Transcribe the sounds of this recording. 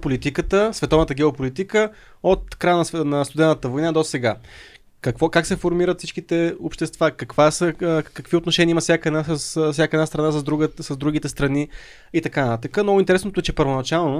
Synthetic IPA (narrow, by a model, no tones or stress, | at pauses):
polit̪ikət̪əsvɛt̪ɔvnət̪əɡ̟ɛopolit̪ikə | ot̪kɾajənɐsnɐst̪ʊd̪ɛnət̪əvojnad̪ɔsɛɡa | kɐkvɔkaksɛfoɾmiɾət̪fsit͡ʃʃkit̪ɛopʃt̪ɛst̪vakɐkvasəkəkviot̪noʃɛniəimɐəfsʲjakəɛd̪nasfsʲakəɛdnast̪ɾɐnasəzd̪ɾuɡsɐzd̪ɾuɡ̟it̪ɛst̪ɾɐni | it̪ɐkant̪at̪əkəmnɔɡʊint̪ɛɾɛsnot̪oɛt͡ʃɛpəɾvonɐt͡ʃalˠno